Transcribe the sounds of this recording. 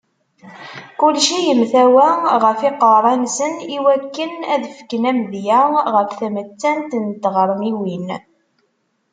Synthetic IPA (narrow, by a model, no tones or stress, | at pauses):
kʊlʃijəmθæwæʁəfɪqəɾˤɑnsəniwækːənæðfkənæmðjæʁəfθæmət͡sːænt̪ənt̪ːʁəɾˤmiwin